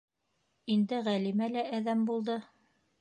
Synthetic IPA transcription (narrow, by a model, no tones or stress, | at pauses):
ind̪ɘʁælimælæʔæðæmbulˠd̪ɤ